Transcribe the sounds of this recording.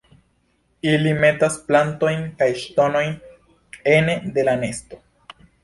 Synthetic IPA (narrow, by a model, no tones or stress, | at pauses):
ilime̞tasplanto̞jnkajʃto̞no̞jn | e̞ne̞de̞lane̞sto̞